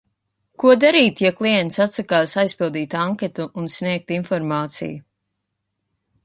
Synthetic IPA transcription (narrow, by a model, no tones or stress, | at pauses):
kuɔd̪aɾiːt̪jaklˠijɛnt̪sat̪sakaːsajspilˠd̪iːt̪aŋkʲet̪uːnsnʲiɛk̚t̪infɔɾmaːt̪sḭju